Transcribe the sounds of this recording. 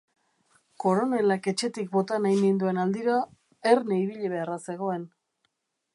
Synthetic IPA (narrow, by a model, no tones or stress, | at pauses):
ko̞ɾo̞ne̞lake̞t͡ʃe̞t̪ik̚bo̞t̪anajnind̪ue̞nald̪iɾa | eɾneiβiʎeβ̞e̞arase̞ɣ̞o̞e̞n